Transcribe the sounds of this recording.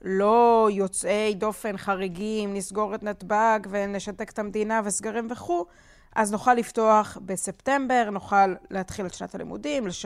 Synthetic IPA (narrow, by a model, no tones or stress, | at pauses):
lo̞jo̞t͡se̞jdo̞fe̞nχaʁeɡimnisɡo̞ʁet̪nat̪baɡve̞ne̞ʃate̞ke̥t̪amd̪inavesɡaʁimve̞χu | ʔaznuχalːifto̞aχbe̞se̞pte̞mbe̞ʁnuχalːehat̪χileʃna̰t̪alḭmṵdimleʃ